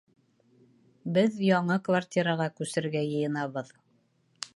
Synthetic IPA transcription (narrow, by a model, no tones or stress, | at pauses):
bɘðjɒɴɤkvart̪ʲiɾɑʁɑkʉsɘ̆ɾɡæjɤ̆jɤ̆nɑβɤð